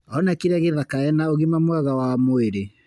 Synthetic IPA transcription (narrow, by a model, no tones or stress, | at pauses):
ɔnakiɾaɣeðakaɛnaoɣimamwaɣawamoeɾe